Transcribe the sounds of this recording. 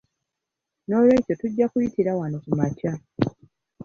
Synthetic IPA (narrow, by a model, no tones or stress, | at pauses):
no̞ːlwe̞ːco̞tuɟːakujitiɾawanokumaca